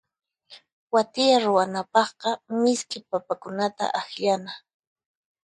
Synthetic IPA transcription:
wat̪ɪjaɾʊwanapɑχqɑmɪskɪpapakʊnat̪a̰ʔaxʎana

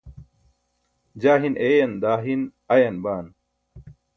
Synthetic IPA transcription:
d͡ʑaːɦinʔeːjɐnd̪aːɦin | ɐjɐnbaːn

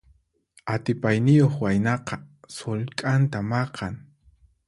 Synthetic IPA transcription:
at̪ɪpajnɪjoχwajnɑqɑsolkʼant̪amɑqɑŋ

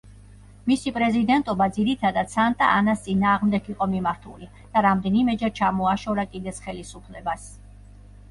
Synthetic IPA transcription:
misipʼɾɛzid̪ɛnt̪ʼɔbad̪ziɾit̪ʰad̪ad̪sant̪ʼa̰anast̪sʼinaːʁmd̪ɛɡiqʼɔmimaɾt̪ʰṵli | d̪̥aɾamd̪ɛnimɛd͡ʒɛɾt͡ʃʰamɔaʃɔɾakʼid̪ɛt̪sʰχɛlisupʰlɛbas

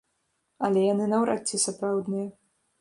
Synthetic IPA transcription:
ɐlʲɛjanɨnɐwɾa̰t̪ʲːisapɾawd̪nɨjɐ

